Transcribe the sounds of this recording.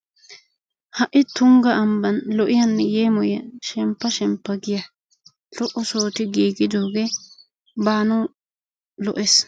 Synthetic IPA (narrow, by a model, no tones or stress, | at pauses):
hɐʔɪt̪ʊŋɡɐɐmbɐnlɔʔɪjɐnːɛjeːmɔjɐʃɛmpːɐʃɛmpːɐɡɪjɐ | lɔʔɔsoːt̪ɪɡiːɡɪd̪oːɡɛ | baːnɐw | lɔʔes